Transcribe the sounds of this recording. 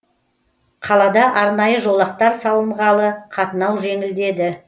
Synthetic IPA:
qʰɑlˠɑd̪ɑʔɑɾnɑjəʒo̞lˠɑq̚t̪ɑɾsɑw̪ˠəɴʁɑlˠəqʰɑt̪ənɑwʒe̞ŋɪld̪e̞d̪ɪ

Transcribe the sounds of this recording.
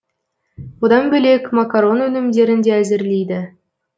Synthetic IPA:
od̪ɑnbɵlʲekʲmakaɾonɵnɘ̆mdʲeɾʲɘ̆ndʲeæzʲɘ̆rlʲijd̪ɘ̆

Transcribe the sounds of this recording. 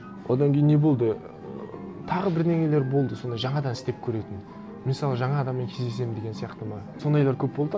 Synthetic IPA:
wʔo̞̰d̪ɑŋkʲʰejɪnːe̞bo̞lˠd̪ə | t̪ʰɑʁəbɪɾd̪e̞ŋe̞le̞ɾbo̞lˠd̪əso̞nd̪ɑjʒɑɴɑd̪ɑnɪst̪e̞p̚kʲʰɵɾe̞t̪ɪn | mɪnsɑlˠəʒɑɴɑːd̪ɑmːeŋkʲʰe̞zd̪e̞s̬e̞mɪnd̪e̞ɡʲensijɑqt̪əmɑ | so̞nd̪ɑjlˠɑɾkʲʰɵpbo̞lˠd̪ə

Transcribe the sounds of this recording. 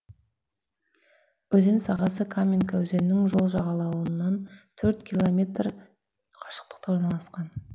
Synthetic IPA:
wɵze̞nsɑʁɑsəkʰamʲinkawɵze̞nːɪŋʒo̞lˠʒɑʁɑlˠɑwənːɑnt̪ʰɵɾt̪kʲʰilˠomʲe̞t̪r | qʰɑ̥ʃə̥q̚t̪ə̥q̚t̪ɑwoɾnɑlˠɑsqɑn

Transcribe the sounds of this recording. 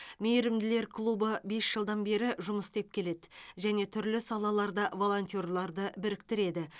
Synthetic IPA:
mejɾɪmd̪ɪle̞ɾkʰlˠubəbe̞sʒ̥əlˠd̪ɑnbe̞ɾɪʒʊməst̪e̞p̚kʲʰe̞le̞d̪ɪʒæne̞t̪ʰʏɾlɪsɑlˠɑlˠɑɾd̪ɑvo̞lˠo̞nt̪ijorlˠɑɾd̪əbɪɾɪkt̪ɪɾe̞d̪ɪ

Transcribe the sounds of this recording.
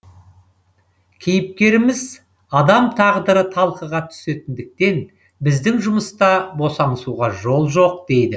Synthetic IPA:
kʲʰejɪp̚kʲe̞ɾɪmɪz | ɑd̪ɑmt̪ʰɑʁd̪əɾət̪ʰɑlˠqəʁɑt̪ʰʏ̥se̞t̪ɪnd̪ɪk̚t̪e̞n | bɪzd̪ɪŋʒʊməst̪ɑbo̞sɑɴəsuʁɑʒo̞lˠʒo̞q̚d̪̥e̞jd̪ɪ

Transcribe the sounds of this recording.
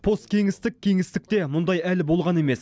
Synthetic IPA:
pʰo̞st̪̚kʲʰe̞ŋɪst̪ɪk̚ʲʰːe̞ŋɪst̪ɪk̚t̪e̞mʊnd̪ɑjælɪbo̞lˠʁɑne̞me̞s

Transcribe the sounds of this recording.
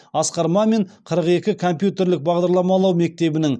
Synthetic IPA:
ɑsqɑɾmɑme̞ɴqʰəɾəqe̞kʲɪkʰo̞mpjut̪e̞ɾlɪk̚bɑʁd̪ɑɾlˠɑmɑlˠɑwme̞k̚t̪e̞bɪnɪŋ

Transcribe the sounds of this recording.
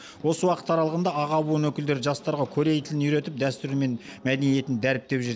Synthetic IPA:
wo̞səwɑqə̥t̪ɑɾɑlˠəʁənd̪ɑɑʁɑbuənwɵkʲɪld̪e̞ɾɪʒɑst̪ɑɾʁɑkʲʰɵɾejt̪ʰɪlɪnijɾe̞t̪ɪp̚d̪æst̪ʏɾme̞nmæd̪enije̞t̪ɪnd̪æɾɪp̚t̪e̞pʒɪɾ

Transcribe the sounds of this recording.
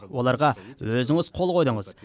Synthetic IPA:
wo̞lˠɑɾʁɑwɵzɪŋɪzqʰo̞lˠqʰo̞jd̪əɴəz̥

